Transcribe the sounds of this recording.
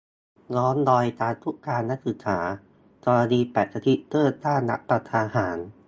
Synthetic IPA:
lɔː˦˥ndɔː˧jt̪aː˧t̪ʰu˦˥kːaː˧nːa˦˥k̚sɯ˨˩ksʰaː˩˦ | kɔː˧ɾa˧niː˧pɛː˨˩t̪̚sa˧t̪ʰi˦˥ʔt̪ɤː˥˩t̪t̪aː˥˩nːa̰˦˥ʔpɾa˧t̪ʰaː˧haː˩˦n

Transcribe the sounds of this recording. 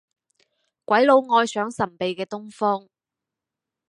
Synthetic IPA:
kʷɐ˨˥jlo˨˧wŋɔː˧jsœː˨˥ŋsɐ˨˩npe˨jkɛː˧t̪ʊ˥ŋfɔː˥ŋ

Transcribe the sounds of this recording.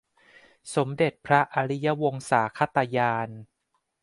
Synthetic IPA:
so˩˦mde˨˩t̪̚pʰɾa˦˥ʔa˧ɾi˦˥ja˦˥wo˧ŋsaː˩˦kʰa˦˥˩t̪ːa˧jaː˧n

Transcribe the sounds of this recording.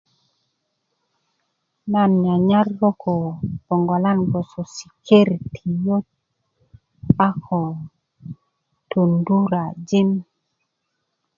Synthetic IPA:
na˨nɲa˨ɲa˦ɾlo˦kʰo˨b̥o˨ŋɡo˨la˦nbo˨so˨si̥˨kʰe˦ɾtʰi˨jo˦t̚ | a˦kʰo˨ | to˨ndu˦ɾa˨d͡ʒi˦n

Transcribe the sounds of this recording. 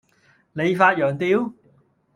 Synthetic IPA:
le˨˧jfaː˧t̚jœː˨˩ŋt̪iː˧w

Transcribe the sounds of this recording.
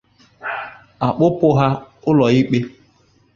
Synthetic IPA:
a˨k͡pʊ˦pʊ˦ɦa˦ʊ˦lɔ˨i˦k͡pe˦

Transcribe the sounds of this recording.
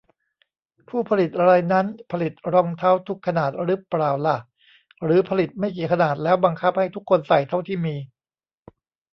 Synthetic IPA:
pʰuː˥˩pʰa˧li˨˩t̪̚ʔa˧ɾa˧jna˦˥npʰa˧li˨˩t̪̚ɾɔ˧ŋt̪ʰa˦˥˩wt̪ʰu˦˥kʰːa˧naː˨˩t̪̚ɾɯː˦˥pɾaː˨˩wla˨˩ʔ | ɾɯː˩˦pʰa˧li˨˩t̪̚ma˥˩jkiː˨˩kʰa˧naː˨˩t̪̚lɛː˦˥wba˧ŋkʰa˦˥p̚ha˥˩jt̪ʰu˦˥kʰːo˧nsa˨˩jt̪ʰa˥˩wt̪ʰiː˥˩miː˧

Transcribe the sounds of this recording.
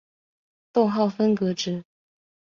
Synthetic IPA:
t̪ʊ˥˧ŋxɑ˥˨ʊfə˥nkɤ˧˥ʈ͡ʂɻ̩˧˥

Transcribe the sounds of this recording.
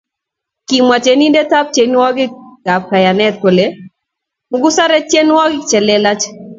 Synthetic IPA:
ki˨mwa˨t͡ʃe˨ni˦nde˦ta˦p̚t͡ʃe˨n˦wɔ˦ɡɪ˦ɡ̥a˨p̚ka˨ja˨nɛ˦t̪̚ko˨le˦ | mʊ˨˦ɡu˦sa˦ɾɛ˦t͡ʃje˦n˦wɔ˦ɡɪ˦t͡ʃɛ˨lɛ˦la˦t͡ʃ

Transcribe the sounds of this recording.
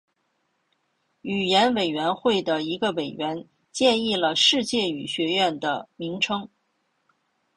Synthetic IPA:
y˨˩jɛ˧˥nwe˨˩ɪɥɛ˧˥nxwe˥˩ɪd̪ə˩i˧˥ɡə˧we˨˩ɪɥɛ˧˥n | t͡ɕjɛ˥˧ni˥˩lə˩ʂɻ̩˥˧t͡ɕjɛ˥˩y˨˩ɕɥɛ˧˥ɥɛ˥˩nd̪ə̰˩mi˧˥ŋʈ͡ʂʰɤ˥ŋ

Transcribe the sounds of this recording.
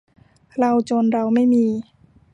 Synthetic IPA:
ɾa˧wt͡ɕo˧nɾa˧wma˥˩jmiː˧

